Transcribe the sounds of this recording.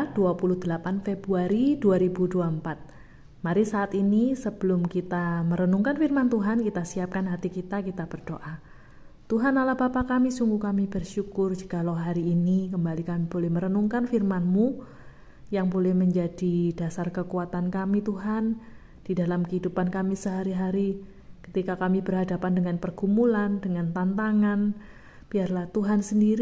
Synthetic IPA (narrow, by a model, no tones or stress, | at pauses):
d̥uapuluhd̥əlapanfebɾuaɾiduaɾibuduampat̪̚ | maɾisaːt̪inisəb̥əlʊmkit̪aməɾənuŋkanfirmant̪uɦankit̪asiap̚kanɦat̪ikit̪akit̪abərd̥oʔa | t̪uɦanalahbapakamisuŋɡukamibərʃukʊrd͡ʒə̥kalawɦaɾiːnik̬əmbalikamibolɛhməɾənuŋkanfirmanmu | jaŋbolɛhməɲd͡ʒadid̥asarkəkuat̪ankamit̪uɦan | d̥idalamkəɦidupankamisəɦaɾiɦaɾi | kə̥t̪ikakamibərɦadapandəŋanpərɡ̥umulandəŋant̪ant̪aŋan | b̥iarlaht̪uɦansəndiɾi